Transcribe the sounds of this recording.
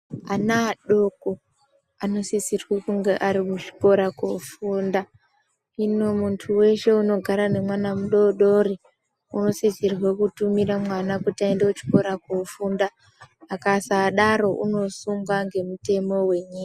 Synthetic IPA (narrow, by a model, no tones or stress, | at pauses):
anaɗoko | ano̞sisirwekuŋɡeʔaɾimut͡ʃi̥ko̞ɾakofuːnda | ino̞muntʰuwe̞ʃe̞uno̞ɡʱaɾane̞mwanamuɗo̞ɗo̞ri | uno̞sisirwekutumiɾamwanakutiaendeut͡ʃi̥ko̞ɾakofundaː | kasaɗaɾo̞ʔṵno̞suŋɡwaŋɡe̞mute̞mo̞we̞ɲika